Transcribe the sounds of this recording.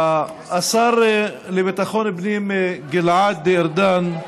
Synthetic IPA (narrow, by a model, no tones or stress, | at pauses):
ʔasˤɑːɾˤ | libet̪axoːnɪbniːmeɡɪlʕaːd̪̚ːiʔɪɾd̪aːn